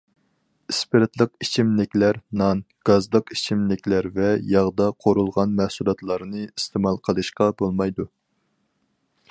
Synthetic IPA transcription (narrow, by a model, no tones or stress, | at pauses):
ispeɾt̪lˠəqit͡ʃʰimlɪkʲlæɾnɑn | ɡ̥ɑzlˠəqi̥t͡ʃʰimnɪkʲlæɾvɛjɑʁd̪ɑqʰoɾulˠʁɑnmɛhsulˠɑt̪lˠɑɾnɨist̪ʰemɑlˠqʰəlˠɨʃqɑbolˠmɑjd̪u